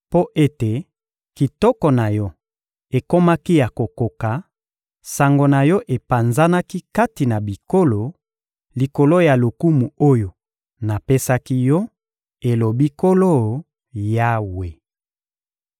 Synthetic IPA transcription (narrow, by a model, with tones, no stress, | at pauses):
po˦ʔe˦te˨ | ki˨tɔ˦kɔ˨na˨jɔ˦ | e˨ko˦ma˦ki˦ja˨ko˨ko˨ka˨ | sa˨ŋɡo˨na˨jɔ˦ʔe˨pa˨nza˦na˦ki˦ka˦ti˨na˨bi˨ko˦lo˨ | li˨ko˨lo˦ja˨lo˨ku˦mu˨o˦jo˨ | na˨pe˦sa˦ki˦jɔ˦ | e˨lo˨bi˦ko˦lo˦ | ja˦we˨